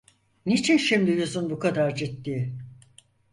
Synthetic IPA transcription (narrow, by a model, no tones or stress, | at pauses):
nit͡ʃʰinʃimd̪ijuzunbukʰad̪aɾd͡ʒit̪ːiː